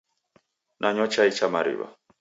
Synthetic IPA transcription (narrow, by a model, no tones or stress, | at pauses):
nʔaɲɔt͡ʃait͡ʃamaɾḭwa̰